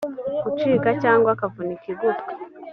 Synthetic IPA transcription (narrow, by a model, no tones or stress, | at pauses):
kut͡ʃiːkacaːŋɡwakavunikiɡutkḁ